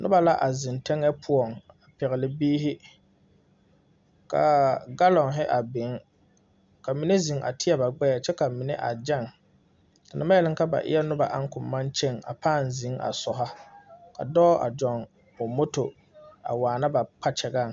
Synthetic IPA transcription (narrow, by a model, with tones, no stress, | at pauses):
nʊ̰˦ba˨la˦ʔa˨zɪ˨ntɛ˦ŋɛ˦pʰʊ˦ɔ˨ŋ | a˨pɛ˨ɣɪ˨lɪ˦biː˦ɦɪ˦ | ka̰˨ɡa˦lɔ˨ŋɦɪ˦ʔa˨bɪ˨˦ŋ | ka˨mi˨ne˦zi˨ŋʔa̰˨tʰɪ˦ɛ˦˨ba˨ɡ͡bɛ˦ɛ˨t͡ʃɛ˦ka˨mi˨nɪ˦ʔa̰˨d͡ʒɛ˦˨ŋ | ka˨nɪ˨ma˦jɛ˦lɪ˦ka˦ba̰˨ʔɪ̰˦ɛ˦nʊ˦ba˨ʔa˦ŋ˦kʊ˨mːã˦nt͡ʃe˦˨ŋa̰˨pʰaː˦˨nzi˨˦ŋa̰˨sɔ˨ɦa˦kʰa̰˨dɔː˦ʔa̰˨d͡ʒɔ˨n | ʊ˨mo˦to˨ | a̰˨waː˨na˦ba˨k͡pa˦t͡ʃɛ˨ɡa˦˨ŋ˨